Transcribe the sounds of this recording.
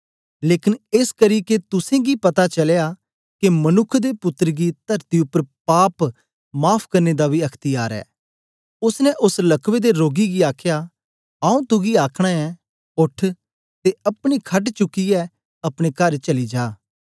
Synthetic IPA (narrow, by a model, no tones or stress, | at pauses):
leːkɪnɪskəɾiket̪ʊsẽɡipɐt̪at͡ʃɐleja | kemɐnʊkʰːd̪epʊt̪ːəɾɡit̪ɐɾt̪iʊpːəɾpaːp | maːpʰkɐɾned̪abʱiɐkʰt̪ɪjaːɾɛ̰ː | ʊsnɛʔʊslɐkʰʋed̪eɾoːɡiɡiaːkʰja | aːũt̪ʊɡiaːkʰɽ̃aɛ | ʊʈʰ | t̪eɐpɽ̃ikʰɐʈt͡ʃʊkːiɛ | ɐpɽ̃ekɐɾt͡ʃɐlid͡ʒaː